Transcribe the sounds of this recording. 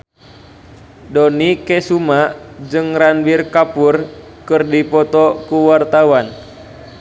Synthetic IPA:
dɔnikɛsumad͡ʒɨŋranwirkapur | kɨrdipɔt̪ɔkuwart̪awan

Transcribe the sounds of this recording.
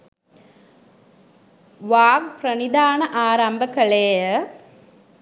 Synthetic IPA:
ʋaːɡ̚prɐnid̪aːnɐʔaːɾɐmbɐkɐɭeːə

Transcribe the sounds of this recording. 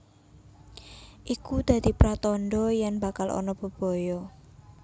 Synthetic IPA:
ʔikud̪̥ä̤d̪̥i̤pɾat̪ɔnɖɔjɛŋba̤kalʔɔ̰nɔb̥ə̤b̥ɔ̤jɔ

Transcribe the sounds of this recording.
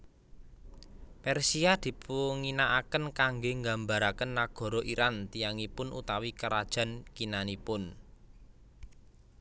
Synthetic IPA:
pɛrsiad̪̥i̤puŋinaʔakənkaŋɡeŋɡamba̤ɾakənːaɡ̥ɔ̤ɾɔʔiɾant̪ijaŋipʊnṵt̪awikəɾad̥ʒ̥ä̤nkinanipʊn

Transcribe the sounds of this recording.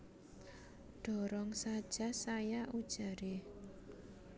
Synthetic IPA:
ɖ̥ɔ̤ɾɔŋsad̥ʒ̥asajaʔud̥ʒ̥a̤ɾe

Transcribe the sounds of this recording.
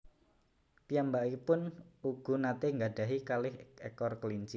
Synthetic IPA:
pijambaʔipʊnuɡ̥ṳnat̪eŋɡad̥a̤ɦikalɪhḛkɔrkəliɲt͡ʃi

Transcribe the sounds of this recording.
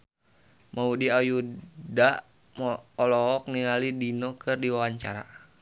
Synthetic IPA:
maudiajuda | mɔɔlɔɔk̚niŋalidinɔkɨrdiwawaɲt͡ʃa̰ɾa̰

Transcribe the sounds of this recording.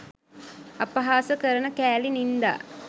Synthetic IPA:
ɐpɐɦaːsəkəɾənəkæːlinind̪a̰ː

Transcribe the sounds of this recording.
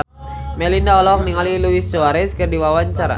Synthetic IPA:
mɛlindaɔlaɔk̚niŋaliluisuaɾɛskɨrdiwawaɲt͡ʃaɾa̰

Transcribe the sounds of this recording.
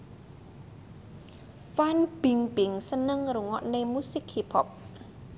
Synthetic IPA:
fanb̥iŋbɪŋsənəŋɾuŋɔ̰ʔnemusɪkhipʰɔp̚

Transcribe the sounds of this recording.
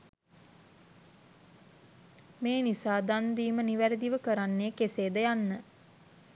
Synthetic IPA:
meːnisaːd̪and̪iːməniʋæɾid̪iʋəkəɾanːeːkeseːd̪əjanːə

